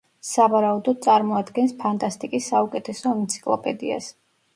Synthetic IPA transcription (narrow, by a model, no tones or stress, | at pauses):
savaɾaud̪ɔd̪̚sʼaɾmɔad̪ɡɛnspʰant̪ʼast̪ʼikʼisːaukʼɛt̪ʰɛsɔɛnt̪sʰi̥kʼlˠɔ̰pʼɛd̪ia̰s